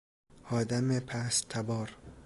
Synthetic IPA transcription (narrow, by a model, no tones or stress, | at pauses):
ɒːd̪amepʰast̪ʰabɒːɾ